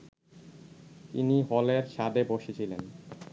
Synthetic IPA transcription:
t̪ḭniɦɔleɾʃad̪eboʃet͡ɕʰilen

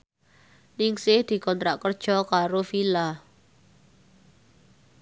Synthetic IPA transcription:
nɪŋsɪhd̪̥i̤kɔnt̪ɾaʔkərd̥ʒ̥ɔ̤kaɾofila

